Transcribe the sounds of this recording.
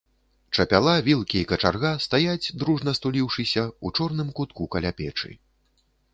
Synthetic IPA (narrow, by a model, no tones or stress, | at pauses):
t͡ʂɐpʲalˠavʲilˠkʲiːkɐt͡ʂarɣast̪ajad͡zʲd̪ɾuʐnɐst̪ulʲiwʂɨsʲɐut͡ʂɔrnɨmkut̪kukaɐlʲapʲɛt͡ʂɨ̰